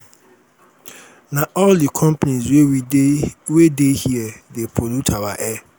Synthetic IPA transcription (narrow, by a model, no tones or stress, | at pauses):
naɔldikʰɔ̃mpanizwe | wedehiɛdepʰolutʰawa̰ʔɛ